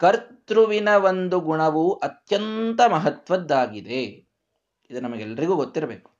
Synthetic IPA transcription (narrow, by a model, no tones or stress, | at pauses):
kɐɾt̪ɾuʋinɐʋond̪uɡuɳɐʋuʔɐt̪jɐnt̪ɐmɐɦɐt̪ʋɐd̪ːaːɡid̪e | id̪ɐnɐmɐɡeɛlːɐɾiɡuːɡot̪ːiɾɐbeːku̥